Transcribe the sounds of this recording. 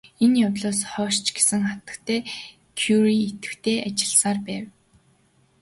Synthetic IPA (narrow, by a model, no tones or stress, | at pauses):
enjaw̪ɮɔːsχɔːʃt͡ɕɡe̥sɘ̆ŋχat̪ə̆kt̪ʰeː | kʰjuɾiet̪ɘ̆kt̪ʰeːʔat͡ɕɪ̆ɮsaːrpæːw